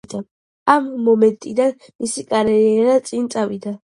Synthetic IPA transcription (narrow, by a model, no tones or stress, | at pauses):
d̪ɐ | ʔɐmːɔmɛnt̪ʼɪd̪ɐn | mɪsɪkʼɐɾɛɛɾɐt͡sʼint͡sʼɐwɪd̪ɐ